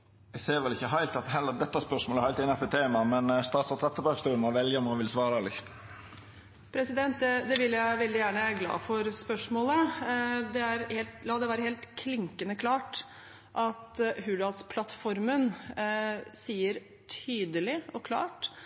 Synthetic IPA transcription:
ɛɪseːɾʋɛlɪçːəɦæɪlt̪ɑt̪ɦɛlːəd̪ɛt̪ːɑæspœʂmoləæɾhæɪlt̪ɪnɑpɛt̪ʰeːmɑmɛnst̪ɑːt̪sɔt̪ʰʁɛt̪ːəbɑkst̪ʉːnmɔʋɛljəɔmɑʋɪlsʋɑːɾɑlɪçt̪ | pʰɾɛsɪd̪ɛnt̪̚d̪ɛd̪ɛʋɪljæɪʋɛld̪ɪjæːɳəɡlɑ̰ːfɔɾspœʂmoːlə | d̪ɛæɾheːlt̪lɑːd̪ɛʋæːɾəheːlt̪kʰlɪŋkənəkʰlɑːʈ | ʔɑt̪ɦʉːɖ̪ɑlspʰlɑt̪fɔɾmən | siːəɾ | t̪ʰyːd̪əlɪɔkʰlɑ̰ːʈ

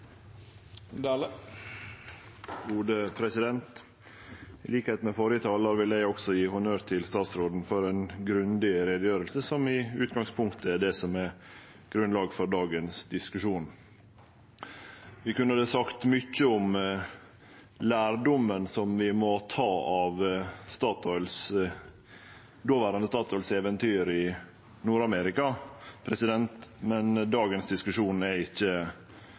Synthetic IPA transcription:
d̪ | ɡuːd̪əpʰɾɛsɪd̪ɛnt̪ | ɪliːkheːt̪nmɛfoːɾjət̪ʰɑːlɑɾʋɪlæɪɔɡsɔjiːhʊnøːɾt̪ʰɪlst̪ɑːt̪sɾoːd̪n̩fɔɾɛnɡɾʉnd̪ɪɾed̪əjøːɾəlsəsɔmɪʉːt̪ɡɑŋspʰʊŋkt̪ʰəɛɖ̪ɛsɔmɛ | ɡ̥ɾʉnlɑːɡfɔɾɖɑːɡənsd̪ɪskʉʂuːn | ʋɪkʉnːəd̪ɛːsɑkt̪mʏcːəɔm | læːɾɖɔmːənsɔmʋɪmɔt̪ʰɑːɑʋst̪ɑːt̪ʰɔʏls | d̪oːʋæːɾɑnəst̪ɑːt̪ʰɔʏlsɛːʋənt̪ʰyːɾɪ | nuːɾɑmɛɾɪkɑpʰɾɛsɪd̪ɛnt̪mɛnd̪ɑːɡənsd̪ɪskʉʂuːnæɾɪçːə

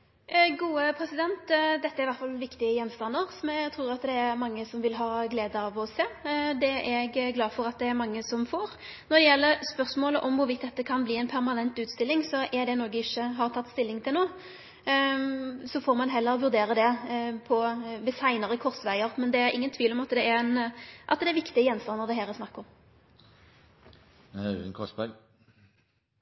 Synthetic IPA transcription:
ɡuːəpʰɾɛsɪd̪ɛnt̪d̪ɛt̪ːəæɾɪʋæʁt̪fɑlʋɪkt̪ɪəjɛnːst̪ɑnd̪əɾsɔmɛt̪ʰɾuːɾɑt̪d̪ɛːɾmɑŋːəsɔmʋɪlɦɑːɡleːd̪əɑʋɔseːd̪ɛɛɡɡlɑːfɔɾɑt̪̚d̪ɛːɾmɑŋːəsɔmfoːɾnɔɾd̪ɛjɛlːəɾspœʁsmoːləʔɔmʋʊɾʋɪt̪d̪ɛt̪ːəkʰɑnbliːɛɪnpʰæɾʁmɑnɛnt̪ʉːt̪st̪ɪlːɪŋsɔʔɛɾd̪ɛnoːɡəɪçːəɦɑʁt̪ʰɑt̪ːst̪ɪlːɪŋt̪ʰɪlnoːə | sɔfoːɾmɑnɦɛlːəʁɔʋʉɾd̪eːɾəd̪ɛpʰɔʋɪsæɪnəʁəkʰɔɾsʋæɪəɾmɛnd̪ɛæɾɪ̰ŋːənt̪ʰʋiːʋlɔmɑt̪d̪ɛæɾɛnʔɑ̰t̪d̪ɛæɾʋɪkt̪ɪəjɛnst̪ɑnəʁd̪ɛɦæːɾəsnɑkːəɔm | ənkʰɔsbæɡ

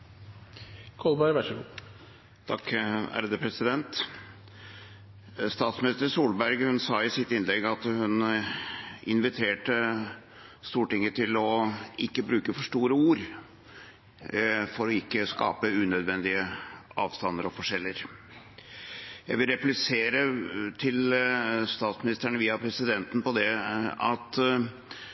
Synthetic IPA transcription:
kʰɔlˠbɑɾʋæʂəɡuː | t̪ʰɑkæ̰ːɾəd̪əpʰɾɛsɪd̪ɛnt̪ | st̪ɑːt̪smɪnɪst̪əɾsuːlbæɾɡhʉnsɑːɪsɪt̪ːɪnlɛɡːɑt̪hʉn | ɪnʋɪt̪ʰeːʈə | st̪uːʈɪŋːət̪ʰɪlɔɪkːəbɾʉːkəfɔʂʈuːɾəuːɾ | fɔɾɔɪkːəskɑ̰ːpəʉnœd̪ʋɛnd̪ɪəɑːʋst̪ɑnːəɾɔfɔʂɛlːəɾ | jæɪʋɪlɾɛplɪseːɾət̪ʰɪlst̪ɑːt̪smɪnɪst̪æɳəʋiːɑpʰɾɛsɪd̪ɛnt̪n̩pɔd̪ɛɑt̪

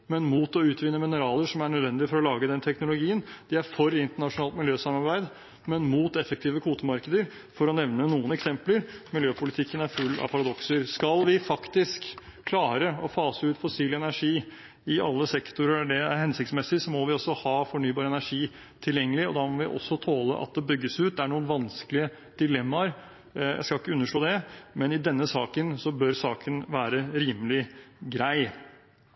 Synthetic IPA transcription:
mɛnmuːt̪ɔʉːt̪ʋɪnːəmɪnəɾɑːləʂɔmæɳœd̪ʋɛnd̪ɪfɔɾɔlɑːɡəd̪ɛnt̪ʰɛknʊlʊɡiːənd̪̥ɪæɾfɔɾɪnt̪əɳɑʂʊnɑːlt̪mɪljøːsɑmɑɾbæɪd̪ | mɛnmuːt̪ɛfək̚t̪ʰiːʋəkʰuːt̪əmɑɾkəd̪əɾ | fɔɾɔnɛʋnənuːənɛksɛmpləɾmɪljøːpʰʊlɪt̪ʰɪkːənæɾfʉlːɑ̰ʋpʰɑɾɑd̪ɔksəɾskɑlʋɪfɑkt̪ɪskʰlɑːɾəɔfɑːsəʉːt̪fɔsiːlɛnæʂiː | ɪɑlːəsɛkt̪ʊɾəɖɛæɾhɛnsɪk̚t̪smɛsɪsɔmɔʋɪɔsːɔhɑːfɔɳyːbɑːɾəɛnæʂiː | t̪ʰɪljɛŋːəlɪɔd̪ɑmɔʋɪʔɔ̰sːɔt̪ʰoːlə̰ʔɑ̰t̪̚d̪ɛbʏɡːəsʉːt̪̚d̪ɛæɳuːənʋɑnsklɪə | d̪̥ɪlɛmːɑɾ | jæ̰ɪskɑlɪkːəʉnːəʂɭoːd̪ɛmɛnɪd̪ɛnːəsɑːkənsɔbœɾsɑːkʰənʋæːɾəɾiːməlɪɡɾæɪ

